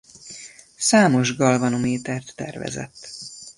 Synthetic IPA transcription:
saːmo̞ʒɡɒlvɒnomeːt̪ɛrt̪ːɛ̰rvɛ̰zɛ̰t̪ː

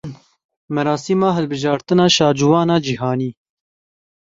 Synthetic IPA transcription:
mɛɾɑːsiːmɑːɦɨlbɨʒɑːɾt̪ɨnɑːʃɑːd͡ʒuwɑːnɑːd͡ʒihɑːniː

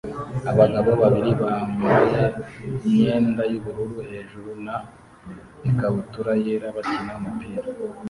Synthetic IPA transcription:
aβaɡaβoβaβiɾiβaːmɡuajaiɲe̞ːndajuβuɾuɾuhe̞ːʒuɾuna | ekaβutuɾajeɾaβat͡ʃinaumupiːɾa

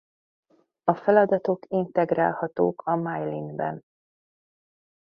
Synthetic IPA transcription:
ɒfɛlɒd̪ɒt̪o̞kint̪ɛɡra̰ːlhɒt̪oːkʰɒmajlinbɛ̰n

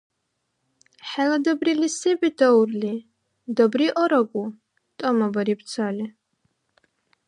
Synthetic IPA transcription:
ħɛlad̪ɐbrilisɛbid̪ʰaurli | d̪ɐbɾiʔɔɾɐɡʷʼu | t̪ʼɔmɐbɐɾip̪̚ʰt͡sʰali

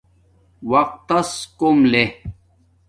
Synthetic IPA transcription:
wɐq̚t̪ɐskomle

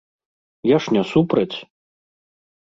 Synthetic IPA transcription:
jaʂnʲasupɾɐt͡sʲ

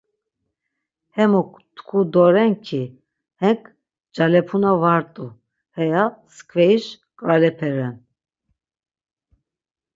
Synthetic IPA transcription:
hɛmɔkʰ | t̪ʰkʰud̪ɔɾɛŋkʰi | hɛŋkʰ | d͡ʒalɛpʰunavaɾt̪ʼu | hɛjaskʰvɛiʃ | kʼalɛpʰɛɾɛn

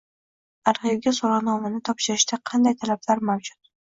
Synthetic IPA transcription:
aɾhibɡʲasɒɾˠanɒmanɪt̪ʰɒpʃɪɾɪʃt̪aqʰɑnd̪ajt̪ʰalablaɾmamd͡ʒʊt̪̚

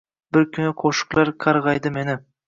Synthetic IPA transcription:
bɪɾkʲʰʏnqʰoʃɨ̥qlˠɑɾqʰɑɾʁɑjd̪ɨme̞nɪ

